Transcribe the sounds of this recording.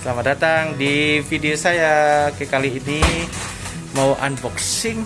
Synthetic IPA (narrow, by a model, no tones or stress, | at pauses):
slamadat̪aŋdifideosajakəkaliːni | mauʔa̰nbɔksɪŋ